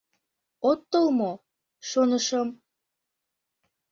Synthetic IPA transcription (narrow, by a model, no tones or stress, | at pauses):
ot̪ːəlmo | ʃonəʃəm